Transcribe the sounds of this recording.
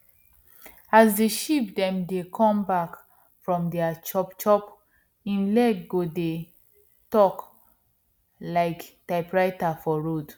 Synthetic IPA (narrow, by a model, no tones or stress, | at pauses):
azdəʃip̚dɛ̃mdekʰɔ̃mbak | fɹɔ̃mdɛat͡ʃɔpt͡ʃɔp | ĩnlɛɡɡode | tɔk | laɪktaɪpɹaɪtafɔɹod